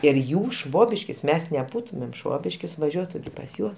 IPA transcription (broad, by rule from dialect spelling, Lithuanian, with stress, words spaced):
ɪr ˈjuː ˈʃʋoːbʲɪʃʲkʲɪs ˈmʲɛs nʲɛˈbuːtʊmʲeːm ˈʃʋoːbʲɪʃʲkʲɪs ʋɐˈʒʲuɔtʊ pɐs ˈjuɔs